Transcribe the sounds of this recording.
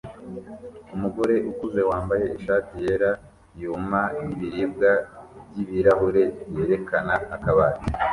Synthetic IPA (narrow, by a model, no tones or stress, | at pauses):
umuɡo̞ɾe̞ʔukuze̞waːmbaje̞iʃaːtije̞ɾa | jumajiβiɾib̚ɡabɟiβiɾaɦuɾe̞je̞ɾe̞kanaːkaβaːɾi